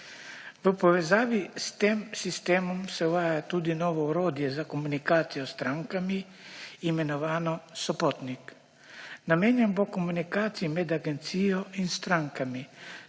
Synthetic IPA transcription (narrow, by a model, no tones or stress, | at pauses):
ʋəpoʋezaːʋist̪emsist̪emɔmsɛuvaːjat̪ud̪inoʋɔuɾod̪jezakomunikaːt̪sijost̪ɾaŋkami | imenoʋaːnɔsɔpot̪nik | namɛɲɛnbokomunikaːt̪siimɛd̪aɡent̪sijoinst̪ɾaŋkami